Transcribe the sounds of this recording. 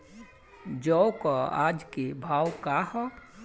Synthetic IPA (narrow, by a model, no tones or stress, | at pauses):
d͡ʒɔwkaa̰ːd͡ʒkebʱaːwkahɔ